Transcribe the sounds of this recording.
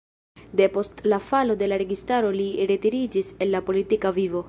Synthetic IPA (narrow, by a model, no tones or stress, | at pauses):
de̞po̞stlafalode̞laɾe̞ɡistaɾo̞liɾe̞tiɾid͡ʒise̞nːapo̞litikavivo̞